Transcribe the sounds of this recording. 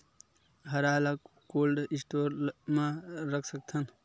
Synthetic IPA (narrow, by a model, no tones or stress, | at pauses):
ɦɐɾaːlak | koːlɖisʈoːɾmãɾəkʰsək̚t̪ʰən